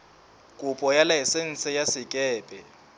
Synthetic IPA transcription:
kʼupʼɔjalajɛsen̩t͡sʰʼɛjasɪkʼɛːpʼɛ

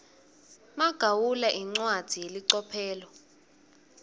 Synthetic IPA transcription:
maɡ̥ʱawulaʔiŋ͡ǀwad̥ʱijeliǀɔpʰɛːlɔ

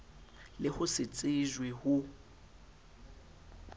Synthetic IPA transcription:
lɪhʊsɪt͡sʼɪʒwehʊ

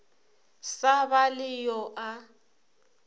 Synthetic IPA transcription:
sabalɪjɔʔa

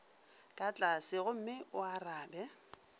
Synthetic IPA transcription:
kʼat͡ɬʼasɪɣʊm̩mɪʊaraːbɛ

